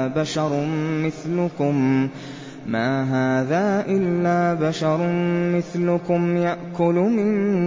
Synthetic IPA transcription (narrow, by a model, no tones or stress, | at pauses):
baʃɑɾˤmɪθlʊkʊm | maːɦaːðaːʔɪlːaːbaʃɑɾˤmɪθlʊkʊmjaʔkʊlʊmɪn